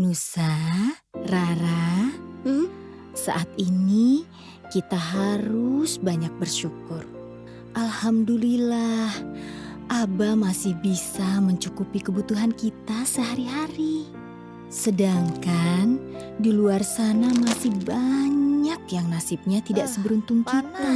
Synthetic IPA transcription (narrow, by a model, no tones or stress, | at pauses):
nusa | raɾa | sa̰ʔat̪ini | kit̪aɦaɾʊsbaɲak̚bərʃukʊr | ʔalhamdulilahʔabamasɪhbisaməɲt͡ʃukupikəbut̪uɦankit̪asəɦaɾiɦaɾi | sədaŋkan | diluarsanamasɪhbaɲak̚jaŋnasɪp̚ɲat̪idaʔsəbəɾunt̪ʊŋkit̪a